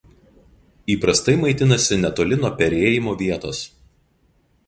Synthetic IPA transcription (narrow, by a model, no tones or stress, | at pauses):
iːpɾɐst̪ɐɪmɐɪt̪ʲɪnɐsʲɪnʲɛt̪oːlʲɪnoːpʲɛɾʲeːjɪmoːʋʲiɛt̪oːs